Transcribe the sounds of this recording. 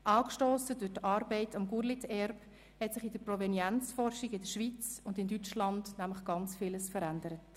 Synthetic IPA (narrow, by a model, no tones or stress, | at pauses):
ʔɑːkʃtoːsədʊɾtɑːɾbɛɪtʰɑmɡuɾlitɛɾp | hɛtsɪχɪd̥əɾpɾɔvɛnjænt͡sfɔrʃɪɡɪdəʃʋit͡sʊndɪndyt͡ʃlɑndnæmləχɡ̥ɑnt͡sfɪləsfəɾændəɾət